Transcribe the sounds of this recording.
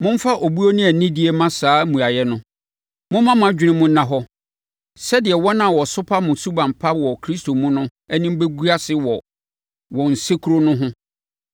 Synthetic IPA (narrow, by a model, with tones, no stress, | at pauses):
mʊ̃˦m̩˦fa˦ʔo˨bu˦o˦nɪ̃˦æ˨nĩ˦di˦e˦mã˦saː˦mũ˨a˨jɛ˦nʊ̃˦ | mʊ̃˦mã˦m˨ã˨˦d͡ʑᶣɪ˦nɪ̃˦mʊ̃˦nã˨ɦɔ˦ | sɛ˦dɪ˨ɛ˨wɔ˦nã˨wɔ˨sʊ˦pʰa˦mʊ̃˨su˦bã˨m˨pʰa˦wɔ˨kʰɾi˦sto˨mũ˦nʊ̃˦ɛ˦nĩ˦m̩˦be˦ɡu˦a˦sɪ˦wɔ˨ | wɔ˨n̩˨se˦kʰu˦ɾo˦nʊ̃˦ɦʊ̃˦